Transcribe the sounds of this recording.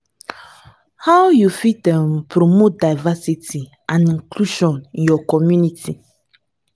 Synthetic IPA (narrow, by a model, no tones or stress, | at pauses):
hawjufitɛ̃mpɾomodajvasitʰi | ãnĩŋkluʃɔ̃njɔkɔmjunitʰi